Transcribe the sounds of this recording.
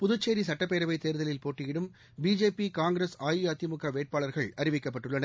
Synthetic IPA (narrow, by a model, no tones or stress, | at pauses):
pʊðʊt͡ʃːeːɾisɐʈːɐpːeːɾɐʋɐɪt̪eːɾðɐlɪlpoːʈːɪjɪɽɯm | biːd͡ʒeːpikaːŋɡɾesaːjɯɐt̪ɪmʊkːɐʋeːʈ̚paːɭɐɾɣɐɭɐɾɪʋɪkːɐpːɐʈːɯɭːɐnɐɾ